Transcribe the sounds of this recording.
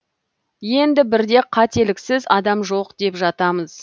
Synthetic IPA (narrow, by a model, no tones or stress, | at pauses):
je̞nd̪ɪbɪɾd̪e̞qʰɑt̪e̞lɪksɪzɑd̪ɑmʒo̞qd̪̥e̞pʒɑt̪ɑməz̥